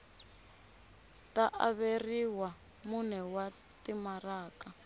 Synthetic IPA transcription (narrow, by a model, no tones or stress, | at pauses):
taʔaβeriwa | munɛwa | timaraːka